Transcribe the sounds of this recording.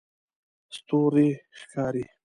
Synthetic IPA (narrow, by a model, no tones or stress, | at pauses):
st̪oːɾixkʰɑːɾi